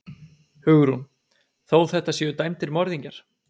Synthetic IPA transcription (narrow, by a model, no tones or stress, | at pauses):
hʏɣʏɾun | θoːwθɛht̪ːasjɛʏt̪ajmt̪ɪɾmɔɾðiɲcaɾ̥